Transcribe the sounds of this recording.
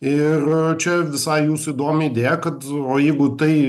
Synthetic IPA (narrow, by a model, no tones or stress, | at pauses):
ɪrt͡ʃʲɛʋʲɪsɐɪjuːsʊid̪oːmʲɪɪːd̪ʲeːjɛkɐt̪oːjɛɪɡʊt̪ɐɪ